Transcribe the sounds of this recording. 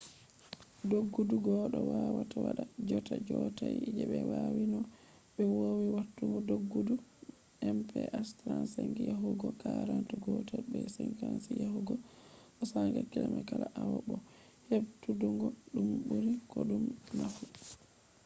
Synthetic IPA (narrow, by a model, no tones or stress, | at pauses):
doɡːuduɡɔɗɔwawatawaɗad͡ʒɔtad͡ʒɔtajid͡ʒɛɓɛwawinɔ | ɓɛwowiwatːuŋɡɔdoɡːudu | ʔɛmpʰɛʔastɾansaŋɡijaɦuɡɔkaɾantuɡɔtabɛsɛŋkansijahuɡɔʔɔsaŋɡakɛlɛmakalaʔawabɔ | hebtuduŋɡɔɗumbuɾikoɗumnafu